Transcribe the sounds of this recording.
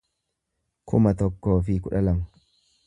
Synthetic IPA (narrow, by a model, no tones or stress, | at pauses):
kʰʊmɐt̪ɔkːoːfɪkʊᶑɐlɐmɐ